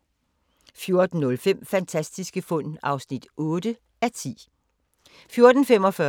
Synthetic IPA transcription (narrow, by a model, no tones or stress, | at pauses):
fjo̝ɐd̥n̩ːɔ̽lfem̰fænt͡sʰæsd̥isɡ̥əfɔn̰ɑ̈ʊsnid̥ɔ̽ːd̥ə | æt͡sʰḭː | fjo̝ɐd̥n̩fem̰ɒ̽fɶ